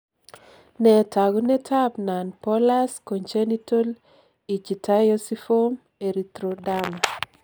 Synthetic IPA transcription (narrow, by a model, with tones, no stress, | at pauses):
nɛ˨ta˨ɡu˦nɛ˦tʰa˦p̚na˨npɔ˦la˦sko˨ɲt͡ʃe˦ni˦to˦l | i˨t͡ʃi˨ta˦jo˦si˦fo˦m | e˨ɾi˨t̪ɾo˨da˦ma˨